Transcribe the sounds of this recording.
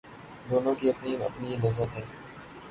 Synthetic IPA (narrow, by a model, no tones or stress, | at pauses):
d̪oːnõːkiːɐpniɐ̰pninɐzbət̪ɦɛː